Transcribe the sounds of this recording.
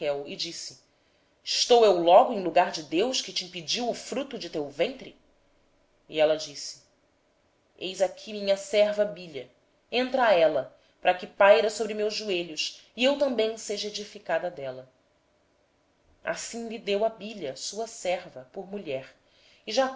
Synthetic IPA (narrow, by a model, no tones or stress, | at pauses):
kɛwɪd͡ʒisɪ̥ | ɪʃt̪owewlɔɡʊẽj̃luɡaɾd͡ʒɪd̪ewʃkɪt͡ʃɪĩpid͡ʒiwʊfɾut̪ʊd͡ʒɪt̪ewvẽnt̪ɾɪ | iɛlɐd͡ʒisɪ̥ | ejzakʲʰimĩɲɐsɛɾvɐbiʎɐ | ẽnt̪ɾɐɛlɐ | pɾɐkɪpajɾɐsobɾɪmewʒːueʎʊʃiewt̪ɐ̃mbẽj̃seʒɐed͡ʒifikad̪ɐd̪ɛlɐ | a̰sĩŋlid̪ewɐbiʎɐsuɐsɛɾvɐpoɾmuʎɛɾ | iʒa